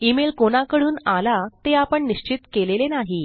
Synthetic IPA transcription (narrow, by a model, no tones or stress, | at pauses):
imelkoñakəɽuːnalat̪eapəɳniɕt͡ɕit̪kelelenaɦi